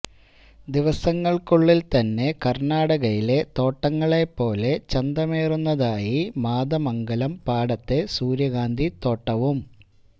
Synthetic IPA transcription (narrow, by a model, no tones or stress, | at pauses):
d̪iʋɐsɐŋːɐɭkuɭːilt̪ɐnːe̞kɐrnaːɽɐɣɐjile̞t̪o̞ːʈːɐŋːɐɭe̞pːo̞ːle̞t͡ɕɐnd̪ɐmeːrunːɐðaːjimaːðɐmɐŋɡɐlɐmpaːɽɐt̪ːe̞suːɾjɐɣaːnd̪ʱit̪o̞ːʈːɐʋum